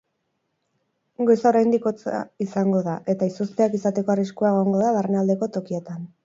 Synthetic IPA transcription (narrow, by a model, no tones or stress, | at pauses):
ɡo̞sao̞ɾajnd̪iko̞t͡sa̰isaŋɡo̞ðaʔe̞t̪aisost̪e̞akisat̪e̞ko̞ariskuaeɣ̞o̞ŋɡo̞ðaβarenald̪e̞ko̞t̪o̞kie̞t̪an